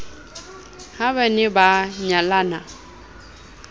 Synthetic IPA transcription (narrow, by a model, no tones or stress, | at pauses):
haβɛnɪbaɲalana